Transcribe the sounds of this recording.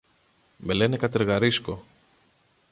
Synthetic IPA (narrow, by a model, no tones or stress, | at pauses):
me̞le̞nekɐt̪eɾɣɐɾisko̞